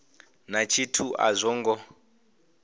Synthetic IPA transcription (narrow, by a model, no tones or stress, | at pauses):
nat͡ʃʰitʰuʔa̰zʷɔŋɡɔ